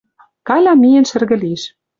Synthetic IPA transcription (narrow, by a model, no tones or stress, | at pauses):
kɑlʲɑmijĕnʃɘ̆rɣɘ̆lieʃ